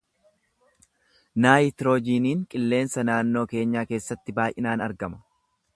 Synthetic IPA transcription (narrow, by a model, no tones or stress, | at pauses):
naːjɪt̪ɪɾo̞ːd͡ʒiːniːŋkʼɪlːe̞ːnsɐnaːnːo̞ːke̞ːɲːaːke̞ːsːɐt̪ːɪbaːʔɪnaːnɐɾɡɐmɐ̥